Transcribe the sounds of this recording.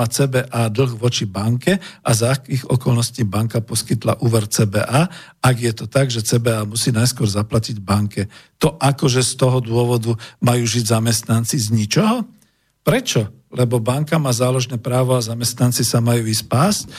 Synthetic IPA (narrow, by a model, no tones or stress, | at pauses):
at͡sɛːbɛːʔaːd̪l̩ˠɣʋɔt͡ʃibaŋkɛʔazakiːɣɔ̰kɔlnɔsciːbaŋkapɔskit̪la̰ʔuːʋɛɾt͡sɛːbɛ̰ːʔaː | aɡjɛt̪ɔt̪aɡʒɛt͡sɛːbɛaːmusiːnajskʊɔɾzaplaciɟbaŋkɛt̪ɔʔakɔʒɛst̪ɔɦɔd̪ʊɔʋɔd̪umajuːʒiɟzamɛst̪nant͡sizɲit͡ʃɔɦɔ | pɾɛt͡ʃɔ | lɛbɔbaŋkamaːzaːlɔʒnɛːpɾaːʋɔazamɛst̪nant͡sisamajuːispaːsc